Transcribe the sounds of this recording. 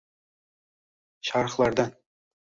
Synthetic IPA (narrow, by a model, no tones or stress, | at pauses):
ɕɑɾɤ̆χlˠɑɾd̪ɑ